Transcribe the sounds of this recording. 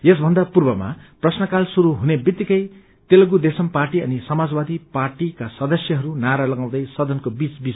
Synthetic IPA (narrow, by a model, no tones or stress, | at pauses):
jesbʱʌnd̪apurbʌma̰prʌsnʌkalsuɾuɦunebit̪ːikʌj | t̪elʌɡud̪esʌmparʈiʌnisʌmad͡zbad̪iparʈikasʌd̪ʌsjʌɦʌɾunaɾalʌɡãw̃d̪ʌjsʌd̪ʌnkobit͡sbis